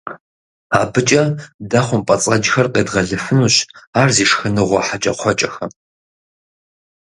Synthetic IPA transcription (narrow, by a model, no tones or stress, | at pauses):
aːbɨt͡ʃʼɐdɐχʷʊmpʼɐt͡sʼɐd͡ʒxɐrqeːdʁɐɮɨfɨnuːɕaːrziːʂxɨnɨʁʷɔħat͡ʃʼɐ̰qʷʰɔt͡ʃʼɐxɐ